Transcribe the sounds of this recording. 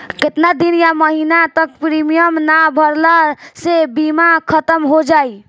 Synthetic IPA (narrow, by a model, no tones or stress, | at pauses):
ket̪nad̪injaməɦinat̪ək̚pɾimijəmnabʱəɾləsebimakʰət̪əmɦod͡ʒaj